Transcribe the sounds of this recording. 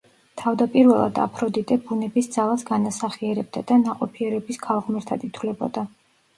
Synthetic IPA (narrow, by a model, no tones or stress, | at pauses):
t̪ʰavd̪apʼiɾvɛlˠa̰d̪a̰pʰɾɔd̪it̪ʼɛbunɛbisd̪z̥alˠasɡanasaχiɛɾɛb̚d̪ad̪anaqʼɔpʰiɛɾɛbiskʰalˠʁmɛɾt̪ʰad̪it̪ʰwlɛbɔ̰d̪a